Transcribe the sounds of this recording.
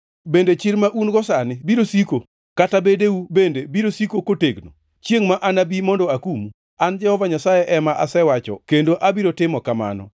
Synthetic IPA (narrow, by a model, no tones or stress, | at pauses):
bendet͡ʃɪlmaʔunɡɔsanɪbiɾosiko | katabedeubendebiɾosikokoteɡno̰ | t͡ʃjeŋmaʔanabimɔndɔakumu | and͡ʒɛhɔvaɲasajeʔɛmaʔasɛwat͡ʃɔ̰kendoʔabiɾotɪmɔkama̰nɔ̰